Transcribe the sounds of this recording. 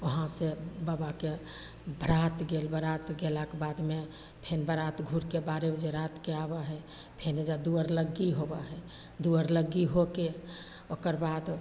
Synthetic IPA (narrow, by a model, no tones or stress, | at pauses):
oɦãsebaːbake | bəɾat̪ɡeːlbəɾat̪ɡelakebad̪me | pʰenbəɾat̪ɡʱuɾkebaɾeed͡ʒeɾat̪keabaɦɛ | pʰened͡ʒad̪uəɾləɡiɦobaɦɛ | d̪uəɾləɡiɦoke | okəɾbaːd̪